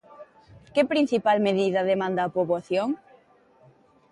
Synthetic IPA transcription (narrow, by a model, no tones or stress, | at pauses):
kɪpɾin̟θipalmeðiðɐðemãnd̪aːpoβoaθjoŋ